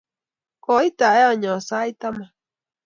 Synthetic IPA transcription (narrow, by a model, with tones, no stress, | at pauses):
kɔ˨i˦t̪a˨e˦ɔ˨ɲɔ̃˨sa˦i˦t̪a˦ma˨